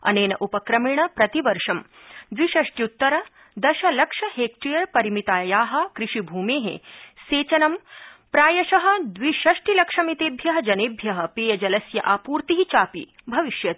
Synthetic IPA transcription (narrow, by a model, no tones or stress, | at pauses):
ɐ̰neːnɐʔupɐkɾɐmiɳɐpɾɐt̪iʋɐɾʂɐm | d̪ʋiʃɐʂʈjut̪ːɐɾɐ | d̪ɐʃɐlɐkʂɐheːk̚ʈɾijɐɾpɐɾimit̪aːjaːɦɐ̆kɾiʂibʱuːmeːɦḛseːt͡ʃɐnɐmpɾaːjɐʃɐɦɐ̆d̪ʋiʃɐʂʈilɐkʂɐmit̪eːbʱjɐɦɐd͡ʒɐneːbʱjɐɦɐ̆peːjɐd͡ʒɐlɐsjɐʔaːpuːɾt̪iɦit͡ʃaːpḭ | bʱɐʋiʃjɐt̪̚